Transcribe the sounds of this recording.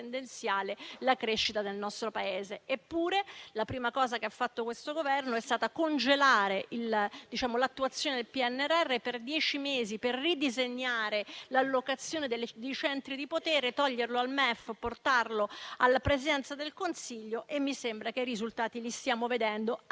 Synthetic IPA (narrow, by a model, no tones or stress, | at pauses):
end̪ent̪sjaːlelakɾeʃːit̪ad̪elnɔst̪ɾopaeːzeʔːpːuːɾelapɾiːmakɔːzakeafːat̪ːokwest̪oɡovɛrnoɛst̪aːt̪akond͡ʒelaːɾeʔild̪̥it͡ʃaːmolat̪ːuat̪sːjoːned̪elpiɛnːɛrɛrːeperd̪jɛːt͡ʃimeːziperːid̪izeɲːaːɾelalːokat̪sːjoːned̪eld̪ejt͡ʃɛnt̪ɾid̪ipot̪ɛːɾet̪ɔʎːerloalmɛfːport̪arloalːapɾezid̪ɛnt̪sad̪elkonsiʎːoʔemːisembɾak̟eiɾizult̪aːt̪ilist̪jaːmoved̪ɛnd̪o